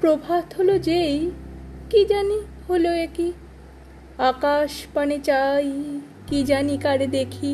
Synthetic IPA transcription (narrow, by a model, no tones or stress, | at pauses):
pɾobʱat̪ɦolod͡ʑejkid͡ʑani | holoeki | akaʃpanet͡ɕaj | kid͡ʑanikaɽed̪ekʰi